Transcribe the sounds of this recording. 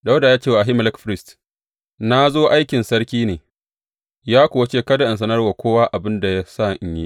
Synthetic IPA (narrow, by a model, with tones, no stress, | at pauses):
ɗa˦wda˨jaː˦t͡ʃeː˦wa˨a˨ɦɪ˦m˨lɛ˦kɸɾɪ˦st | na˦zoː˦ʔa˦jkʲɪ˨nsɐ˦rkʲiː˦neː˨ | jaː˦kʷoː˨wɐ˦t͡ʃeː˦kɐ˦da˨ʔɐ˨ns̬ɐ˦nɐ˦rwa˨kʷoː˦waː˦ʔa˨bɪ˦nda˨ja˦sa˦˨ʔɪ˨ɲji˦ʔ